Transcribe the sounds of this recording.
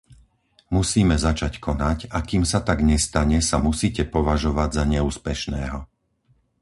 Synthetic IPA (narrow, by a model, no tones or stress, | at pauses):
musiːmɛzat͡ʃackʰɔnacakiːmsat̪aɡɲɛst̪aɲɛsamusiːcɛpɔʋaʒɔʋaɟzaɲɛuːspɛʃnɛːɦɔ